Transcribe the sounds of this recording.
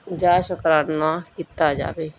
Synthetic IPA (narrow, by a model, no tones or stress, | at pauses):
d͡ʒaːʃəkɾaːnakit̪ːad͡ʒa̰ːbeː